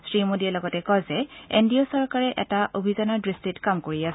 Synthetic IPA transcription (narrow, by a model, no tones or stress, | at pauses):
sɹimodiɛlɔɡɔtɛkɔzɛḛndiosɔɹkaɹɛʔɛ̰taʔobʱizanadɹistitkamkoɹias